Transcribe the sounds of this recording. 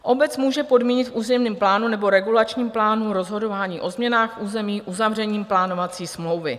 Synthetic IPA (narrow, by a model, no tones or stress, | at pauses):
ʔo̞bɛt͡smuːʒɛpo̞dmiːɲɪt̪fʔuːzɛmniːmplaːnunɛbo̞ɾɛɡulat͡ʃɲiːmplaːnuɾo̞zɦo̞do̞vaːɲiːʔo̞zmɲɛnaːxfʔuːzɛmiːʔuzavr̝ɛɲiːmplaːno̞vat͡siːsmlo̞wvɪ̰